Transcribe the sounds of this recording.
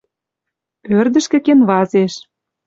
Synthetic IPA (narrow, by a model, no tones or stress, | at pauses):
ørd̪ə̆ʃkɘ̆kenβɑzeʃ